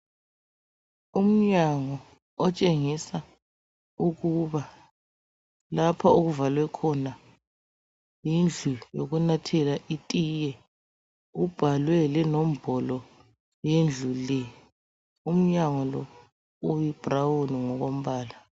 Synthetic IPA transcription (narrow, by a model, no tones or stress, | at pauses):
um̩ɲaŋɔ | ɔt͡ʃʼeŋisa | uɣuβa | lapʰauɣuvalwɛkʰɔna | jind͡ɮʱujoɣunatʰɛlaʔitʼijɛ | ub̥ʱalwɛlɛnɔmb̥ʱɔlɔ | jend͡ɮʱulɛ | um̩ɲaŋɔlɔ | ujib̥ʱrawuniŋɔɣom̩βaːla